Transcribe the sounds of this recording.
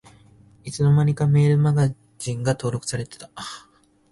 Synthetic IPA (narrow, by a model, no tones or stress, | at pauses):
it͡sɨno̞maɲ̟ʲikame̞ːɾɯ̟maɡa | ʑĩŋɡat̪o̞ːɾo̞kɯ̥saɾe̞t̪e̞̥t̪a